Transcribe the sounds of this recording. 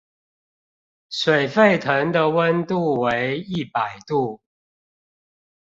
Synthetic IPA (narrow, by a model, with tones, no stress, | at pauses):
swe˨˩ɪfe˥˨ɪt̪ʰə˨˦ŋd̪ə˨wə˦nt̪u˥˨we˦ɪi˥˨pa˨˩ɪt̪u˥˨